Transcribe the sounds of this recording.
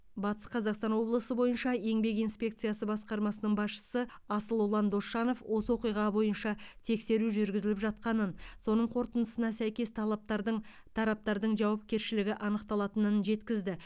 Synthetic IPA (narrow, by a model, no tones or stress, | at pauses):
bɑt̪ə̥sqʰɑzɑqst̪ɑnwo̞blˠəsəbo̞jənʃɑe̞ŋbe̞kijnspʲe̞kt̪sɨjɑsəbɑsqɑɾmɑsənəɴbɑsʃə̥sə | ɑsəlˠolˠɑnd̪o̞ʃɑno̞fwʔo̞səwo̞qijʁɑbo̞jənʃɑt̪ʰe̞kse̞ɾuʒʏɾɡʲɪzɪlɪpʒɑt̪̚qɑnənso̞nəɴqʰo̞ɾt̪ənəsənɑsæjkʲe̞st̪ʰɑlˠɑp̚t̪ɑɾd̪əɴ | t̪ʰɑɾɑp̚t̪ɑɾd̪əɴʒɑwɑp̚kʲe̞ɾʃɪlɪɡʲɪʔɑnəqt̪ɑlˠɑt̪ənənʒe̞t̪kʲɪzd̪ɪ